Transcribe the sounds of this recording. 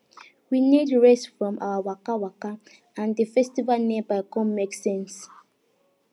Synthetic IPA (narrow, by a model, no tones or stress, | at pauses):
winidɹɛsfɹɔ̃ma̰wawakawaka | ãndəfɛstivalnẽmbaɪkɔ̃mːeksɛ̃ns